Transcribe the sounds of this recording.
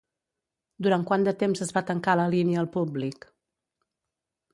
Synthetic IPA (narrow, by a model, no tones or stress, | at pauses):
d̪uɾaŋkwand̪ət̪emzəzβat̪əŋkaləliniəːlˠpublik